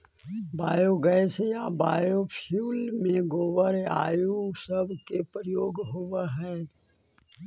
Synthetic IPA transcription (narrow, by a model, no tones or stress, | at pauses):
baːjoɡɛːsejabaːjopʰjuːlmẽɡoːʋəɾa̰ːjusəbkepɾjoːɡɦowaɦɛː